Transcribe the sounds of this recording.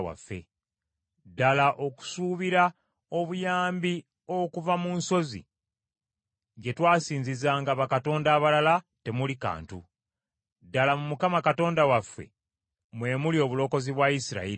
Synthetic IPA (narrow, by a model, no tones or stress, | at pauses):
wa̰fːe̞̰ | dalaʔo̞ku̥suːβiɾa | o̞βujaːmbi | o̞kuvamunso̞zḭ | ɟe̞twaːsiːɲzizaːŋɡaβakato̞ːndaːβalala | te̞mulika̰ːntu | dalamumukamakato̞ːndawafːe̞̰ | mwe̞ːmulio̞ːβulo̞ko̞ziβwaisiɾa̰i